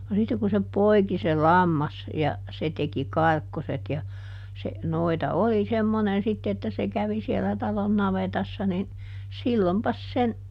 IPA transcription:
no sitːe ku se poi̯ki se lɑmːɑs jɑ se teki kɑrkːoset jɑ se noitɑ oli semːonen sitːe etːæ se kæʋi sielæ tɑlon nɑʋetɑsːɑ nin silːompɑs sen

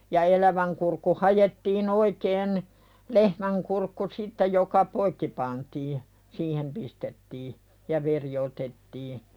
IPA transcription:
jɑ elæʋæŋ kurkːu hɑjetːiːn oikeːn lehmæŋ kurkːu sitːe jokɑ poikːi pɑntiː siːhem pistetːiː jɑ ʋeri otetːiː

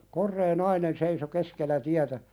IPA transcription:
korːeː nɑinen seiso keskelːæ tiætæ

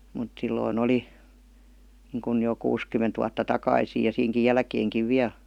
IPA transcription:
mut silːoin oli niːŋkun jo kuːskymːent ʋuɑtːɑ tɑkɑisiː jɑ siːŋki jælkeːŋkiʋ ʋiæl̆

